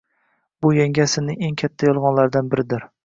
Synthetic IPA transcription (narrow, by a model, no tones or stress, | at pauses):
bʊjaŋʲasɪnɪe̞ŋkʲʰat̪ʰːajɒlˠʁɒnlaɾd̪anbɪɾɪd̪ɪɾ